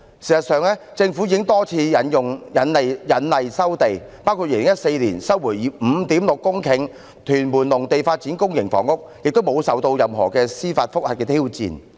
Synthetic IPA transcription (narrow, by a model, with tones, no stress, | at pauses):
siː˨˩sɐ˨t̚sœː˨ŋlɛː˥ | t͡sɪ˧ŋfu˨˥jiː˧kɪ˥ŋt̪ɔː˥t͡sʰiː˧jɐ˨˥njʊ˨˩ŋjɐ˨˥ne˨jjɐ˨˥nlɐ˨jsɐ˥wt̪e˨jpaː˥wkʰu˧t̚iː˨˩lɪ˨˩ŋjɐ˥t̚se˧jliː˨˩nsɐ˥wuː˨˩jiː˨˥m̩˨˧t̪iː˨˥mlʊ˨kːʊ˥ŋkʰɪ˨˧ŋ | t̪ʰyː˨˩nmuː˨˩nlʊ˨˩ŋt̪e˨jfaː˧t̚t͡si˨˥nkʊ˥ŋjɪ˨˩ŋfɔ̰ː˨˩ŋʊ˥k̚jɪ˨k̚t̪o˥wmo˨˧wsɐ˨wt̪o˧wjɐ˨mɦɔ̰ː˨˩kɛː˧siː˥fa̰ː˧t̚fʊ˥k̚ha̰˨t̚kɛː˧t̪ʰiː˥wt͡sḭː˧n